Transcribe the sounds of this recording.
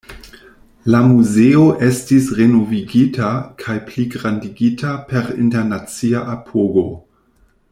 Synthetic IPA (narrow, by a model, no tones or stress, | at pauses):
lamuzeo̞ʔe̞stisʁe̞noviɡitʰakʰajpliɡɾandiɡitʰape̞ɾḭnteɾnat͡siaʔapʰoɡo̞